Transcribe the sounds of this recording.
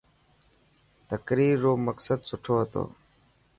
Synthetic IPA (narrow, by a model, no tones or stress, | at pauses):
t̪əkɾiːɾːoːməksəd̪sʊʈʰoːɦət̪o̰ː